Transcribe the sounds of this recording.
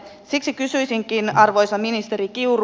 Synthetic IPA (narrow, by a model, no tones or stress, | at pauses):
siksikysyjsiŋkinɑrʋo̞jsɑminist̪eɾikiur